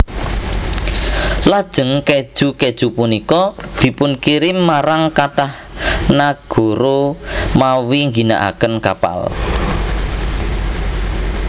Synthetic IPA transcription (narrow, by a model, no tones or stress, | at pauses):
lad̥ʒ̥ə̤ŋke̥ʒ̥ṳked̥ʒ̥upunikɔd̪̥i̤pʊnkiɾɪmːaɾaŋkat̪ah | naɡ̥o̤ɾomawiŋɡina̰ʔa̰kənkapa̰l